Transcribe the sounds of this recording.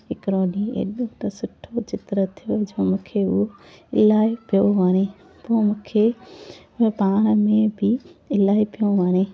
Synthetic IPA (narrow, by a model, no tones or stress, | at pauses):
ɦɪkɾoːɗiḛːɗõt̪ɐsʊʈʰot͡ɕɪt̪ɾət̪ʰijod͡ʒoːmũːkʰeʊɦoɪlaːepijoʋaːɽ̃e | pomʊ̃ːkʰe | paːɽ̃mẽbʱɪɪlaːipijõʋaːɽ̃e